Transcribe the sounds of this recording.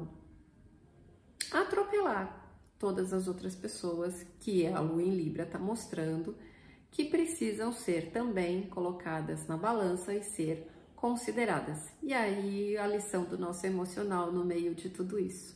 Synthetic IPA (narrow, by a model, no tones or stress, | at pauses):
at̪ɾopelaɾt̪od̪ɐzɐzowt̪ɾɐspesowɐskɪɐluẽlibɾɐt̪amost̪ɾɐ̃nd̪ʊ | kɪpɾesizɐ̃w̃seɾt̪ɐ̃mbẽj̃kolokʰad̪ɐznɐbalɐ̃sɐɪseɾ | kõsid̪eɾad̪ɐs | iaiɐlisɐ̃w̃d̪ʊnɔsʊemosionawnʊmejʊd͡ʒɪt̪ud̪ʊisʊ̥